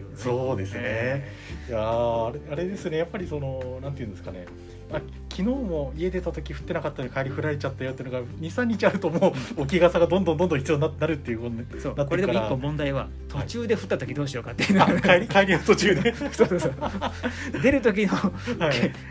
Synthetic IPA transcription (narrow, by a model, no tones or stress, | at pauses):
so̞ːd̪e̞sɨne | jaːɾeaɾe̞d̪e̞sɨne̞japːaɾʲiso̞no̞nãnt̪ejɯ̟̃nd̪sɨ̥kane̞ | a | kʲʰino̞ːmo̞ie̞d̪e̞t̪at̪o̞kʲiɸɯ̟̥t̪ːe̞nakat̪ːanoɲikʰaeɾʲiɸɯ̟ɾaɾe̞t͡ɕat̪ːajoeiɯnoɡaɲ̟isãɲ̟ːit͡ɕiaɾɯ̟t̪o̞moːok̬ʲiɡasaɡad̪õnd̪õ̞nd̪ond̪õçi̥t͡sɨjoːnnaɾɯ̟t̪ːe̞jɯ̟kosoːnat̪ːkoed̪eikkːomõ̞nd̪aiβa | t̪ʰo̞t͡ɕɨːd̪e̞ɸɯ̟t̪ːat̪o̞kʲid̪o̞ːɕijo̞kat̪ːejɯnoaeɾʲikaeɾʲiaɯ̟̥t̪ot͡ɕɨːd̪eoːsoːsso | d̪e̞ɾɯ̟t̪o̞k̬ʲino̞hai